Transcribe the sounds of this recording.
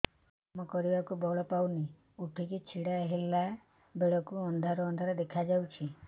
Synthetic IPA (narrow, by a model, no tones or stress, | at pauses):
mɔkɔɾibakubɔɭɔpawni | uʈʰikit͡ʃʰiɽaɦila | beɭɔkuɔnd̪ʱaɾɔːnd̪ʱaɾɔd̪ekʰad͡ʒawt͡ʃʰi